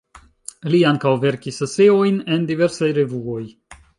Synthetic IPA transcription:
liaŋkawve̞ɾkisaseo̞jne̞ndive̞ɾsajɾevuo̞j

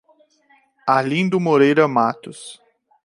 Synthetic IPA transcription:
alĩnd̪ʊmoɾejɾɐmat̪ʊs

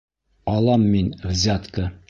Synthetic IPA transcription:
ɒlˠɑmːinvzʲat̪kɤ

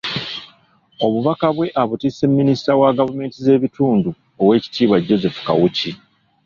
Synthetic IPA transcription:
o̞βuβakaβwe̞ʔaβutise̞mːinisi̥tawaɡavume̞ːntize̞ːβituːndu | owe̞ːci̥tiːβwaɟːo̞ze̞fu̥kawuci

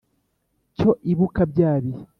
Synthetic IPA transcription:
co̞ʔiβukabɟaːβi

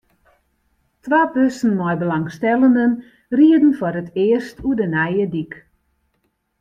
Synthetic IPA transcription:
tʋaːpøsn̩mɔjbəlaŋstɛləndən | riədn̩fɔɾətʰɪəstʰudənɛjədik

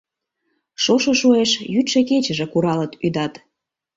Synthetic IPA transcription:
ʃoʃoʃoeʃjyt̪ʃeket͡ɕə̆ʒĕkuɾɑlət̪yd̪ɑt̪

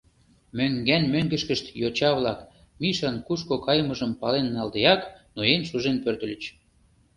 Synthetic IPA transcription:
møŋɡænmøŋɡə̆ʃkəʃt̪jot͡ɕɑβlɑk | miʃɑnkuʃkokɑjməʒəmpɑlenːɑld̪eɑknoenʃuʒenpørt̪ə̆lə̆t͡ɕ

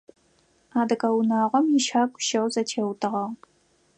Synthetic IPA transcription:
aːdɨkʼɐwʊnaːʁʷɔmjɪʃaːkʷʰʼʊ̥ʃɐwzɐtʰeːwtʰɨʁɐʁ

